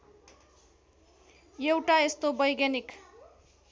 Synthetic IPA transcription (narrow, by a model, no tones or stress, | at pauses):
jewʈaest̪obʌjɡjanik